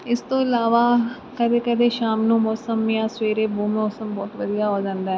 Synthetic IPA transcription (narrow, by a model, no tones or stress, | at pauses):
ɪst̪õːɪlaːʋaː | kəd̪eːkəd̪eːʃaːmnũːmɔːsəmjãːsʋeːɾeːbuːmːɔːsəmbɔːt̪ʋəd̪ijaːɦoːd͡ʒãːnd̪aːɦɛ